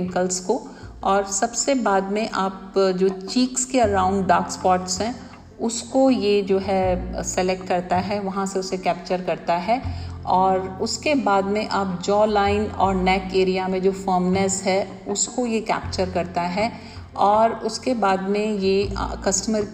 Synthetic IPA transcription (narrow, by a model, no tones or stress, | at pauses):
ŋkəlskoɔːɾsɐbsebaːd̪mẽʔaːpd͡ʒoːt͡ʃiːkskeɐɾaːʊ̃ɳɖːaːkspɔːʈsɦɛ̃ | ʊskojed͡ʒoːɦɛsɛlɛk̚ʈ̚kɐɾt̪aɦɛʋɐɦãseʊsekɛːp̚t͡ʃəɾkɐɾt̪aɦɛːɔːɾʊskebaːd̪mẽʔaːp̚d͡ʒɔːlaːɪnɔːɾnɛːkeːɾijamẽd͡ʒoːfəːmnɛsɦɛ | ʊskojekɛ̰ːp̚t͡ʃəɾkɐɾt̪aɦɛ | ɔːɾʊskebaːd̪mẽjḛkɐsʈəməɾ